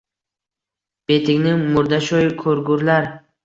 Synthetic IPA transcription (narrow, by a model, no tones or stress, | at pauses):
b̥et̪ʰɪkʲnɪŋmʊɾd̪aʃɔjkʰɵɾɡʊɾlaɾ